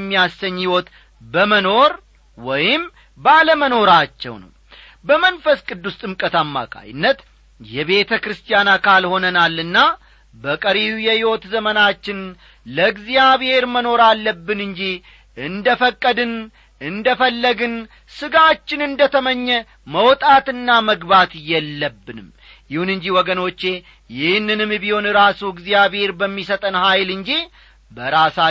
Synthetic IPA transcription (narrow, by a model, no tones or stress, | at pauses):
mːijasəɲːɪwo̞t̪ | bəməno̞ɾ | wɔjɪm | baləməno̞ɾat͡ʃːɛ̰wnə̰w | bəmənfəskʼɨd̪ːust̪ʼɨmkʼət̪amːa̰kʰa̰jɪ̰nːət̪ | jɛβe̞t̪ʰəkɾɨst̪ʰijanakʰalho̞nənalːɨnːa | bəkʼəɾijujɛhɪwo̞t̪zəmənat͡ʃːɪn | ləɡzijaβhe̞ɾməno̞ɾalːəbːɨnɨɲd͡ʒi | ɨnd̪əfəkʼːəd̪ɨn | ɨnd̪əfəlːəɡɨn | sɨɡat͡ʃːɪnɨnd̪ət̪ʰəməɲːɛ | məwt̪ʼat̪ɨnːaməɡbat̪jɛlːəbːɨnɨm | jɪhunɨɲd͡ʒiwɔɡəno̞t͡ʃːe̞ | jɪhnːɨnɨmɨbiho̞nɨɾasuɨɡzijaβhe̞ɾbəmːis̬ət̪ʼənhajlɨɲd͡ʒi | bəɾasa